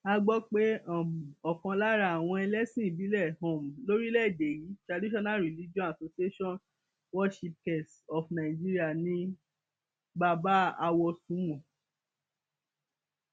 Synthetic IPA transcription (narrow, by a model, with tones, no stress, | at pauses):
a˧ɡ͡bɔ˦k͡pe˦ã˦˨m˨ɔ˨kã˨˧la˦ɾa˦a˨w̃ɔ̃˧ɛ˧lɛ˦sĩ˦˨bi˨˦lɛ˦˨ɦo˦˨m˨lo˦ɾi˦lɛ˦˨de˨ji˨˦tɾa˨di˦ʃ̬ɔ˦na˦˨ɾe˨li˨˦d͡ʒɔ̃˦a˨so˧si˦e˦ʃɔ̃˦n | wɔ˦ʃi˦p̚kɛ˨s | ɔ˨fnã˨ĩ˨d͡ʒi˦ɾi˦a˨nĩ˧ | ba˧ba˦a˧wɔ˧sũ˨˦w̃ɔ̃˨